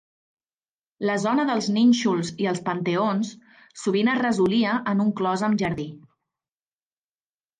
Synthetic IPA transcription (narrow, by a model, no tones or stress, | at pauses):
ləzɔnəðəlˠzninʲʃulˠziəlˠspənt̪əons | suβ̞inərəzuliəʔənuŋklɔzəmʒəɾði